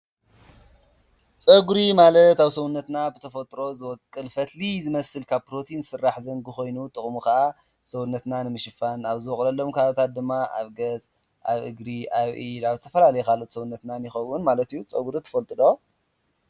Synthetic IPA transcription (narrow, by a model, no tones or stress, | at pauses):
t͡sʼɐɡuɾimalɐt̪aβsɐwunːɐt̪nabɨt̪ʰɐfɐt̪ʼɾo̞zɨwɔkʼːɨlfɐt̪lizɨmɐsɨlkʰaβpɾo̞t̪ʰinsɨrːaħzɐŋɡɨxo̞jnut̪ʼɨχʼmuxaʔa | sɐwunːɐt̪nanɨmɨʃɨfanaβzɨwɔχʼlɐlːo̞mkʰalɐt̪ʰat̪̚d̪ɨmːaʔa̰βɡɐzʼ | ʔaβʔɨ̰ɡɾiʔaβʔiaβzɨt̪ʰɐfɐlalɐjokʰalot̪sɐwunːɐt̪nanjixɐwunmalɐt̪ijut͡sʼɐɡuɾit̪ʰɐ̥fɐlt̪ʼɨd̪o